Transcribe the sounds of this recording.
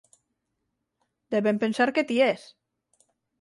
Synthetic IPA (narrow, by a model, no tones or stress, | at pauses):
d̪eβempensaɾket̪ies